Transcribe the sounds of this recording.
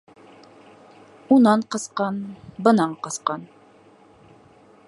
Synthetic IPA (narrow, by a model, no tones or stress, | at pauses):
unɑɴqɤ̆sqɑnbɤ̆nɑɴqɤ̆sqɑn